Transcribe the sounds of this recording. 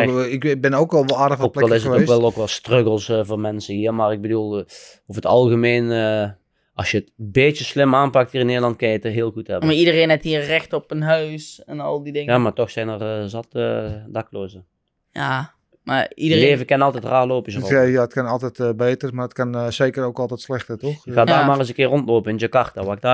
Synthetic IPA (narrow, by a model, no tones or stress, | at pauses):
ɪkbɪnoːkɛlˠʋɔlˠaːdəxʋoːkplɛɛllˠɪs̬əoʋɛlˠokʋɛlˠstrøɡəlˠsvoːrmɛnsəɦiːərmaːrɪɡ̚bədulˠ | ofətɑlˠɣəmeːnə | ɑsjəətbeːtjəslɪmaːnpɑk̚thiːrɪnːeːdəlɑnt̚kɪnjəətəɦeːəlˠɣuthɛbəmaidəreːnɛthiːərɛxtɔpənɦœɥsɛnɑlˠdidɪŋjaːmaːtɔxsɛjnərzɑtədɑkloːzə | ja | ma̰idəleːvəkɪnɑlˠtɛtraːloːpɪsjaətkɑnɑlˠtɛtbeːtərmaːətkɑnzeːkəɾowkɑlˠtɛjtslɛxtətɔxkxaːdaːmaːrəsəkɪːrɔntloːpənɪnd͡ʒəkɑrtdaʋaɪk̚daː